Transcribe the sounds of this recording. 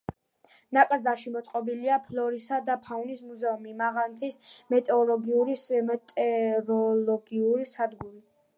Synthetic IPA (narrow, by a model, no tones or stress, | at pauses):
nakʼɾd̪zaʃimɔt̪sʼqʼɔbiliapʰlɔɾisad̪apʰaunismuzɛumimaʁant̪ʰismɛt̪ʼɔlˠɔɡiuɾiɛt̪ʼɛɾɔlɔɡiuɾisad̪ɡuɾi